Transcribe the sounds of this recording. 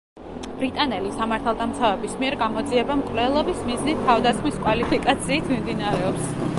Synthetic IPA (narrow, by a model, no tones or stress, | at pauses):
b̥ɾit̪ʼanɛlisamaɾt̪ʰalˠd̪amt̪sʰavɛbismiɛɾɡamɔd̪ziɛbamkʼvlɛlˠɔbismiznit̪ʰːavd̪asχmiskʼwalipʰikʼat̪sʰiːt̪ʰmimd̪inaɾɛɔps